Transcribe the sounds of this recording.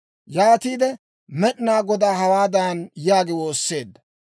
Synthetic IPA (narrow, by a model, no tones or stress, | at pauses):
jaːt̪iːd̪ɛ | mɛɗnaːɡɔd̪aːɦɐwaːd̪anjaːɡɪwoːsːe̞ːd̪ːɐ